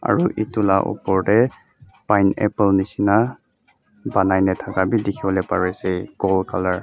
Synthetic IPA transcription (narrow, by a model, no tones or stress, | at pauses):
a̰ɹuʔitula̰ʔɔ̰pɔɹdɛ | pajnɛ̰plnisina | banajnɛtʰakabidikʰiɔlɛpaɹejsejɡɔlkʰalaɹ